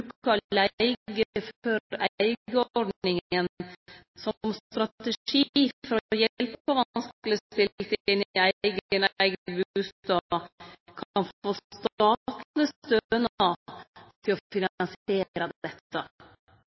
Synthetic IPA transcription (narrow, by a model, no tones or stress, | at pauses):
ʉkɑlæɪɡəfɔɾæɪɡəɔɖnɪŋən | sɔmst̪ɾɑt̪əʂifɔɾɔɔjɛlpəpɔʋɑnsklɪst̪ɪlt̪ɪnæɪɪɡənæɪɡbʉːst̪ɑ | kʰɑnfoːst̪ɑːt̪əst̪øənɑt̪ʰɪlɔfɪnnseːɾəd̪d̪ɛt̪ːə